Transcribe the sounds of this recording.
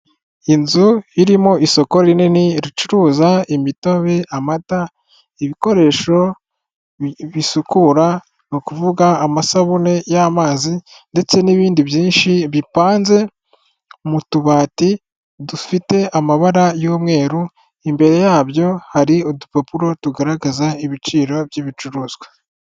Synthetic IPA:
inzuiɾimo̞ʔiso̞ko̞ɾininiɾit͡ʃuɾuːzaimito̞βe̞amata | iβiko̞ɾe̞ːʃo̞ | βisukuɾa | nokuvuɡaːmasaβune̞jamaːzi | nde̞t͡se̞niβiːndiβjiːnʃiβipaːnze̞ | mutuβaːti | dufite̞ʔamaβaɾajoːmŋe̞ːɾu | imbe̞ɾe̞jaːβjo̞haɾiodupapuɾo̞tuɡaɾaɡazaiβit͡ʃiːɾo̞bjiβit͡ʃuɾuːzɡwe

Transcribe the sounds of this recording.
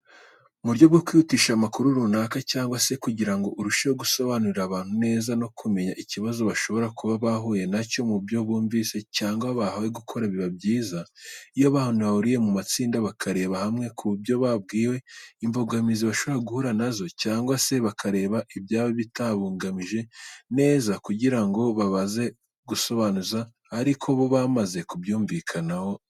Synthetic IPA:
muɾɟo̞βɡokwiutiʃamakuɾuɾunakacaːŋɡwase̞kuɟiɾaŋɡo̞ʔuɾuʃawoɡuso̞βanuɾiɾaβaːn̥hune̞ːzano̞kʰume̞ɲaʔiciβazo̞βaʃo̞βo̞ɾakuβaβaɦuje̞naco̞mubjo̞βuːɱviːse̞caːŋɡwaβahaweɡukʰo̞ɾaβiβabɟiːzaijoβahonaβahuɾije̞mumat͡siːndaβakʰaɾe̞ːβahamŋe̞kʰuβbjo̞βab̚ɡiːwe̞imboɡamiziβaʃo̞βoɾaɡuhuɾanazo̞caːŋɡwase̞βakʰaɾe̞ːβaʔibjaːβoβitaβuːŋɡamiʒe̞ne̞ːzakuɟiɾaŋɡo̞βaβaze̞ | ɡuso̞βaːnuzaː | ɾikʰo̞βo̞βamaze̞kubjuːɱvikʰanaho̞

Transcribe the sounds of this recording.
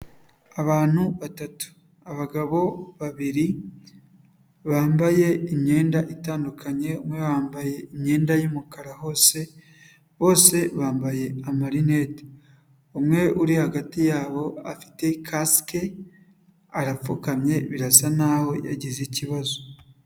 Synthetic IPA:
aβaːn̥huβatatu̥ | aβaɡaβo̞βaβiɾi | βaːmbaje̞iɲɲe̞ːndaʔitaːndukʰaɲe̞umŋe̞βaːmbaje̞imɲe̞ːndajumukaɾaho̞ːse̞ | βo̞ːse̞βaːmbaje̞amaɾinet | omŋe̞ʔuɾihaɡatijaːβo̞afi̥te̞kʰaske | aɾafukamɲe̞βiɾasanaːho̞ja̰ɟiziciβazo

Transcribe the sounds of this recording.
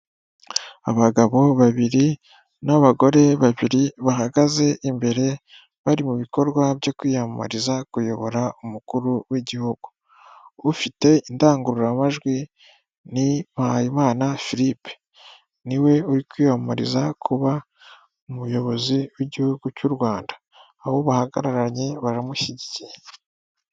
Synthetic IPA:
a̰βaɡaβo̞βaβiɾi | naβaɡo̞ɾe̞βaβiɾiβaɦaɡaze̞ʔimbe̞ɾe̞ | βaɾimuβiko̞ɾɡwabjo̞kwiːhama̰ɾizakujo̞βo̞ɾaumukuɾuwiɟihuɡ̥uː | fite̞indaːŋɡuɾuɾamaʒɡwi | nimahajimaːnafiɾipe̥ | niwe̞uɾikwiːhama̰ɾḭzakʰuβa | umujo̞βo̞ziwiɟihuɡucuɾwaːndaː | βo̞βahaɡa̰ɾaɾaɾɲeβaɾamuʃiɟicije

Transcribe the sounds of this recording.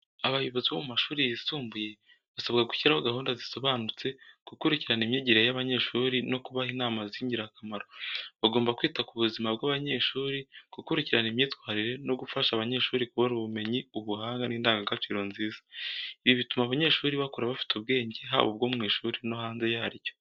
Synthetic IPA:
aβajuβoziβomumaʃuːɾijisuːmbuje̞ | βasaβɡaɡuçiɾahoɡahuːndaziso̞βaːnut͡se̞kukuɾiciɾanimjiːɟiɾejaβaɲe̞ʃuːɾino̞kuβahiːnaːmaziːɲɟiɾakamaɾoβaɡo̞ːmbakwiːtakuβuzimabɡwaːβaɲe̞ʃuːɾikukuɾiciɾanimɲiːtwaːɾiɾe̞no̞ɡufaʃaβaɲe̞ʃuːɾikuβonuβume̞ɲiuβuhaːŋɡaniːndaːŋɡaɡat͡ʃiːɾo̞nziːzḁiβiβitumaβaɲe̞ʃuːɾiβakoɾaβafi̥tuβɡe̞ːɲɟeɦa̰βobɡo̞ːmŋiːʃuːɾino̞haːnze̞jahaɾijo̞̥

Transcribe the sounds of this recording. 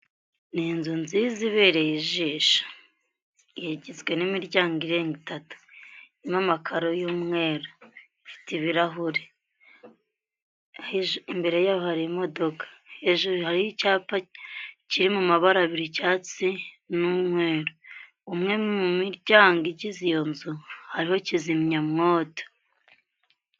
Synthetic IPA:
niːnzunziziβeːɾe̞jiʒiʃḁ | jeɟizɡwe̞nimiɾɟaːŋɡiɾe̞ːŋɡitatu̥ | imamakʰaɾojuːmŋe̞ːɾo | ifi̥tiβiɾaɦuɾe | aiʒimbe̞ɾe̞jaːβohaɾimo̞do̞kḁheʒuɾuhaɾihicaːpaciɾimumaβaɾaβiɾicaːt͡si | nuːmŋe̞ːɾo | umŋe̞mumiɾɟaːŋɡiɟizijo̞nzuhaɾiho̞cizimɲamŋoːto̥

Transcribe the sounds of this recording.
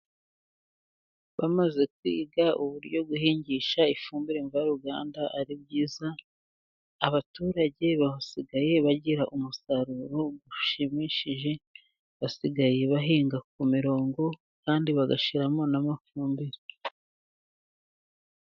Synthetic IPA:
βamaze̞kwḭːɡaʔuβuɾɟo̞ɡuhiːɲɟiʃaifuːmbiɾeɱvajaɾuɡa̰ːndaʔaɾib̚ɟiːzaː | βatuːɾaɟe̞βahasiɡaje̞βaɟiɾaʔumusaɾuɾo̞ɡuʃimiʃiʒe̞ | βasiɡaje̞βaɦiːŋɡak̚umiɾo̞ːŋɡo̞ | kaːndiβaɡaʃiɾamo̞namafuːmbiɾe

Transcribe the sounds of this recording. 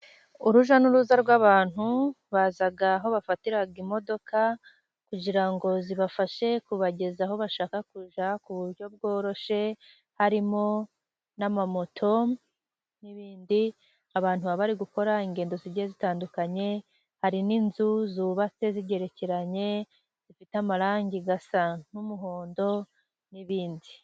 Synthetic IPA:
uɾuʒanuɾuzaɾɡwaːβaːn̥hu | βazaɡaɦo̞βafatiɾaɡimo̞do̞ka | kuɟiɾaŋɡo̞ziβafaʃe̞kuβaɟe̞zaɦo̞βaʃaːkakuʒakuβuɾɟo̞b̚ɡo̞ːɾo̞ʃe̞ | haɾimo̞ | namamo̞tʰo̞ | niβiːndi | aβaːnhuβaβaɾiɡuko̞ɾaiŋɡe̞ːndo̞ziɟezitaːndukaɲe̞ | haɾininzuzuːβat͡se̞ziɟe̞ɾe̞ceɾaɲe̞ | z̥ifitamaɾaːŋɟiɡasan̥umuɦo̞ːndo̞ | niβiːndi

